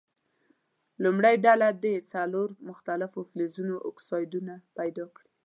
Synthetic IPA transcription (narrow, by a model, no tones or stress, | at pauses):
lumɽajɖalad̪et͡saloɾmʊxt̪alɪfoflezunoʔʊksɑjd̪unapajd̪ɑkɽi